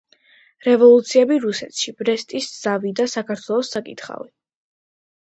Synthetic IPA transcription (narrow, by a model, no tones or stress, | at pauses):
ɾɛvɔlˠut̪sʰiɛbiɾusɛt̪ʃibʼɾɛst̪ʼisd̪z̥avid̪asakʰaɾt̪ʰwɛlˠɔsːakʼit̪ʰχa̰vi